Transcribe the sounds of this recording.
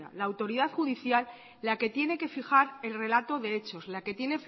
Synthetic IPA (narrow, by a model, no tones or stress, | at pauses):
a̰laːwt̪o̞ɾiðaθxuðiθjalː | ake̞t̪je̞ne̞ke̞fixaɾe̞lre̞lat̪o̞ðe̞e̞t͡ʃo̞slake̞t̪je̞ne̞f